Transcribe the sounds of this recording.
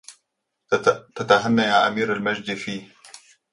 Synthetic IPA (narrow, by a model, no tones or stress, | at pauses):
t̪at̪aɦanːajaːʔa̰miːɾalmad͡ʒd̪fiː